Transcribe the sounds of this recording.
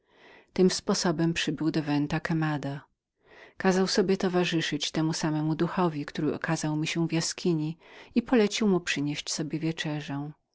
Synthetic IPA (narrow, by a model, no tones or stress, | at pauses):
t̪ɘmspɔsɔbɛmpʂɘbɘwd̪ɔvɛnt̪akɛmad̪a | kazawsɔbʲjɛt̪ɔvaʐɘʂɘt͡ɕt̪ɛmusamɛmud̪uxɔvʲikt̪uɾɘɔ̰kazawmʲiɕɛ̃vjaskʲʰiɲiipɔlɛt͡ɕiwmupʂɘɲeɕt͡ɕsɔbʲjɛvʲjɛt͡ʂɛʐɛ̃